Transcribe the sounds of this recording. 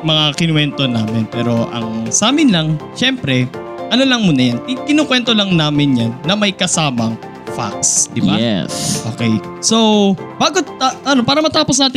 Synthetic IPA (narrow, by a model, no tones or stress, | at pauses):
mɐŋakɪnwɛnt̪o̞naːmɪnpɛːɾo̞ʔɐ̰ŋsaːmɪnlɐŋʃɛmpɾɛ | ʔɐnolɐŋmuːnɐjankɪkɪnokwɛnt̪olɐŋnaːmɪnjanːɐmɐjkɐsaːmɐŋ | fa̰k̚sd̪ɪbaɛʔo̰ːkɛj | sob̥aːɡoaʔɐnopaːɾɐmɐt̪aːpos̬ɐʔaːt̪ɪ